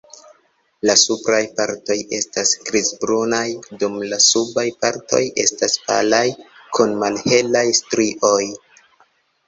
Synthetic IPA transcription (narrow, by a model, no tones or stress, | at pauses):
lasupɾajpaɾto̞je̞̰stasɡɾizbɾunajdumlasubajpaɾto̞̰je̞̰staspa̰lajkʰunmalhe̞lajstɾiʔo̞j